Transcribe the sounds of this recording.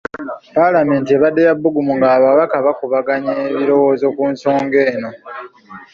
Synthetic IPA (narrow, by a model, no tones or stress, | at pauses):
palame̞ːntieβadːejabːuɡumuŋɡaːβaβakaβakuβaɡaɲeːβiɾo̞wo̞ːzo̞kuːnso̞ːŋɡe̞ːno̞